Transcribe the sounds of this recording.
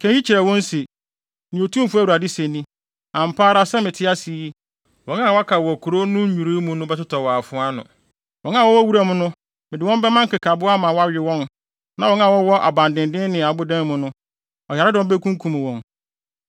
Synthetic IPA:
kʰɛ̃˦i˦t͡ɕʰi˨ɾɛ˨wɔ̃˦nse˨ | nɪ̃˨o˨tʰũ˦m˦fʊ˦æ˦wu˨ɾa˨dɪ˦sẽ˨nĩ˦ | ã˨m̩˨pʰaː˦ɾa˦sɛ˦mɪ̃˨tʰɪ˦a˦si˨˦i˦ | wɔ̃˨˦ŋa˦˨wa˦kʰa˨wɔ˨kʰu˨ɾo˦nʊ̃˦ɲu˨ɾi˦mũ˦nʊ̃˦bɛ˦tʊ˦tʰɔ˨wɔ˨a˨fʊ˦a˦nʊ̰̃˨ | wɔ̃˨˦n˦ã˦˨wɔ˦wɔ˦wu˦ɾa˦mʊ̃˦nʊ̃˦ | mɪ̃˨dɪ˨wɔ̃˦m˦bɛ˦mã˦ŋ˦kɪ˨kʰa˨bʊ˦a˦mã˨wɔ˦a˦ɥᶣɪ˨wɔ̃˦n | nã˨wɔ̃˦ŋã˦˨wɔ˦wɔ˦ʔa̰˨bã˨ndɪ̃˨ndɪ̃˦n˦nɪ̃˨a˨bʊ˦dɛ̃˦n˦mʊ̃˦nʊ̃˦ | ɔ˨ja˨ɾɪ˦dɪ˨wɔ̃˦bɛ˦kʰũ˦ŋ˦kʰũ˨mʊ̃˨wɔ̃˨n

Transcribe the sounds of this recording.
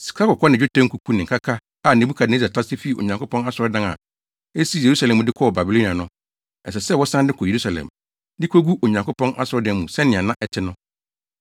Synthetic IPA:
si̥˨kʰa˦kɔ˨kʰɔ˦nɪ̃˨ʊ˦tʰɛ̃˦ŋ̩˦kʰu˨kʰu˦nɪ̃˨kʰa˦kʰa˦ | a˨nẽ˨bu˦kʰa˨de˦za˨tʰa˦sɪ˦fi˦˨o̰˨ɲã˨ŋko˦pɔ̃˦na˦sʊ˨ɾɔ˦dã˦ŋa̰˨ | e˦si˦˨je˨ɾu˦sa˨lɛ̃˨mũ˨dɪ˦kʰɔ˦ɔ˨ba˨bi˨lo˦ni˨a˨nʊ̃˦ | ɛ˨s̬ɛ˨sɛ˦˨wɔ˦sã˦n˦dɪ˦kʰɔ˨je˨ɾu˦sa˨lɛ̰̃˨m | dɪ˦kʰo˦ɡu˦ʔo˨ɲã˨ŋko˦pɔ̃˦nʔa˦sʊ˨ɾɔ˦dɛ̃˦mũ˨sɛ̃˦nɪ̃˨a˨nã˦ʔɛ˨tʰɪ˦nʊ̃˦

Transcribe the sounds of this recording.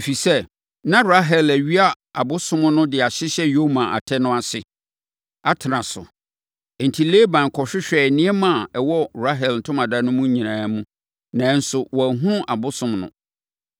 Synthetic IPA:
e˨fi˨sɛ˦ | nã˦ɾa˦ɦɛ˨læ˨ɥi˦a˦ | a˨bʊ˦sʊ̃˦m˦nʊ̃˦dɪ˨a˨ɕɪ˦ɕɛ˦jo˦mã˨ʔa̰˨tʰɛ˦nʊ̃˦a˨sɪ˨ | a˦tʰɪ˨ɾã˨sʊ̰˨ | n̩˨tʰi˨le˦bã˨n˨kʰɔ˨ɕᶣɪ˦ɕᶣɛ˨nɪ̃˦ɛ˦mã˦˨ɛ˨wɔ˦ɾa˦ɦɛ˨ln̩˨tʰʊ̃˦mã˨da˦nʊ̃˦mũ˦ɲĩ˨nãː˨˦mũ˦ | nã˨˦n̩˦sʊ˨wɔ˨æ˨ɦũ˦ñ˦ʔa˨bʊ˦sʊ̃˦mnʊ̰̃˦

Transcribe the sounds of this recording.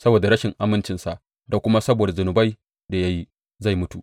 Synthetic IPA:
sɐ˦boː˨da˨ɾɐ˦ʃɪ˨ŋʔa˦mɪ˦nt͡ʃɪ˨nsa˨ʔ | da˨kʷʊ˦ma˦sɐ˦boː˨da˨zʊ˨nʊ˨ba˦j | da˨ja˦ji˦ | za˦˨jmʊ˦tu˨

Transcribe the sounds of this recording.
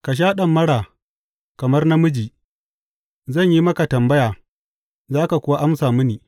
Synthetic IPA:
ka˨ʃ̬aː˦ɗɐ˨mːɐ˦ɽaː˨ | kɐ˨mɐ˦rna˦mʊ˦d͡ʒiː˨ | zɐ˦˨ɲji˦mɐ˦ka˨tɐ˨mbɐ˦jaː˨ | zaː˦ka˨kʷʊ˦wa˦ʔa˦msaː˨mʊ˦niː˨

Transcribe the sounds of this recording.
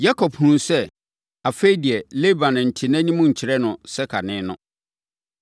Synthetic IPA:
ja˦kʰɔ˨phũ˨˦nsɛ˦ | a˨feː˦di˨ɛ˨le˦bã˨ñ˨n̩˨tʰɪ˨nɛ̃˦nĩ˦mʊ̃˦ɲ̩˨t͡ɕʰɪ˨ɾɛ˦nʊ̃˨sɛ˦kʰa˨nɪ̃˦nʊ̰̃˦

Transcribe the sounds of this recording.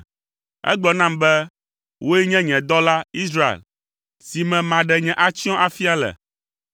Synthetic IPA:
ɛ̰˦ɡ͡bɔ˨nã˦mbɛ˦ | wʔo˦ɛ˦ɲɛ̃˦ɲɛ̃˨d̪ɔ˦la˦i˦sɾa˦ḛ˨l | si˨mɛ̃˨mã˨ɖɛ˨ɲɛ̃˨ʔa˦t͡ɕi˦ɔ̃˦ʔa˦fi˦a˦lɛ̰˨

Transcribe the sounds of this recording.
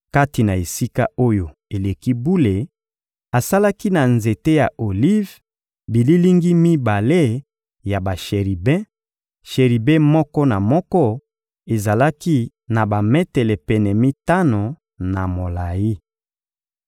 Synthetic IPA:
ka˦ti˨na˨e˨si˦ka˦o˦jo˨ | e˨le˨ki˦bu˦le˨ | a˨sa˦la˦ki˦na˨nze˨te˦ja˨ʔo˨li˦v | bi˨li˦li˦ŋɡi˦mi˦ba˨le˦ | ja˨ba˨ʃe˨ʁi˨bɛ̃˦ | ʃe˨ʁi˨bɛ̃˦mɔ˦kɔ˦na˨mɔ˦kɔ˦ | e˨za˨la˦ki˦ | na˨ba˨mɛ˦tɛ˨lɛ˨pɛ˨nɛ˨mi˦ta˦no˨ | na˨mo˨la˨ji˦

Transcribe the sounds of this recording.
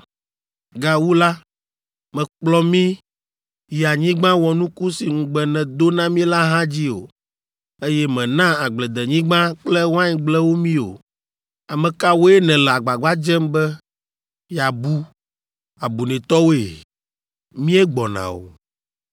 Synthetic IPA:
ɡa˨wu˦la˦ | mɛ̃˨k͡plɔ˦mĩ˦ | ji˨a˨ɲĩ˦ɡ͡bã˦wɔ˨nũ˦ku˦si˨ŋũ˨ɡ͡bɛ˨nɛ̃˨d̪o˦nã˦mĩ˦la˦ɦã˦d͡ʑi˦o̰˨ | e˦jɛ˦mɛ̃˨nã˦a˨ɡ͡blɛ˨d̪ɛ˨ɲĩ˦ɡ͡bã˦k͡plɛ˦wã˦ɲ˨ɡ͡blɛ˦wo˦mĩ˦o̰˨ | a˨mɛ̃˨ka˦wo˦ɛ˦nɛ̃˨lɛ˨a˨ɡ͡ba˨ɡ͡ba˦d͡ʒɛ˦mbɛ˦ | ja˨bu˦ | a˨bu˨nɛ̃˨t̪ɔ˦wo˦e˨ | mĩ˦ɛ˦ɡ͡bɔ˨nã̰˨o̰˨

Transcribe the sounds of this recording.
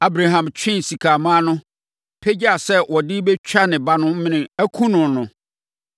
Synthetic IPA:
a˦bɾa˨ɦã˨mt͡ɕʰᶣɪ̃˦n˨si˨kʰaː˨mã˦nʊ̃˦ | pʰe˦d͡ʑa˨sɛ˦wɔ˨dɪ˦bɛ˦t͡ɕᶣa˦nɪ̃˨ba˦nʊ̃˦mɪ̃˦nɪ̃˨æ˦kʰũ˦nʊ̃˨n˨nʊ̃˨

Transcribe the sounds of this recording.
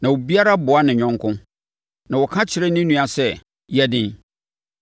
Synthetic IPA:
nã˨wo˨bi˦a˦ɾa˦bʊ˨a˦nɪ̃˨ɲᶣɔ̃˦ŋ˦kʰʊ̃˦ | nã˨wɔ˨kʰã˦t͡ɕʰɪ˨ɾɛ˦nɪ̃˦nũ˦a˨sɛ˦ | jɛ˦dɪ̃˦n

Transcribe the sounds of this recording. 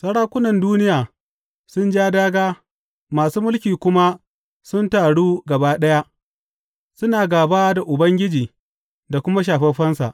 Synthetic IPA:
sɐ˦ɽaː˦kʷʊ˦nɐ˨nduː˦nɪ˦jaː˨ | sʊ˦nd͡ʒaː˦daː˦ɡaː˦ | maː˨suː˦mʊ˦lkʲiː˨kʷʊ˦ma˦ | sʊ˦ntaː˨ɽuː˦ɡɐ˨baː˦ɗɐ˦ja˦ʔ | sʊ˦naː˨ɡaː˨baː˦da˨ʔʊ˨bɐ˦ŋɡʲɪ˦d͡ʒiː˨ | da˨kʷʊ˦ma˦ʃ̬aː˨ɸɛ˦ɸɐ˦nsa̰˨ʔ

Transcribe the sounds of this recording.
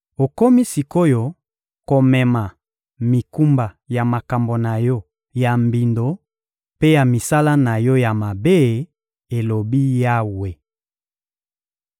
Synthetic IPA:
o˨ko˦mi˦si˨ko˦jo˦ | ko˨mɛ˨ma˨ | mi˨ku˦mba˨ | ja˨ma˨ka˨mbo˨na˨jɔ˦ | ja˨mbi˨ndo˨ | pe˦ja˨mi˨sa˦la˦na˨jɔ˦ja˨ma˨be˦˨ | e˨lo˨bi˦ja˦we˨

